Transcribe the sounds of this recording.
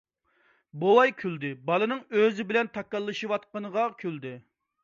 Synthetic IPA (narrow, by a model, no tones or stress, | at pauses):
bowɑjkʲʰyld̪ɪbɑlˠɨnɨŋøzɪbɪlɛnt̪ʰɑkːɑlˠːɨʃɨwɑt̪̚qɑnəʁɑkʲʰyld̪ɪ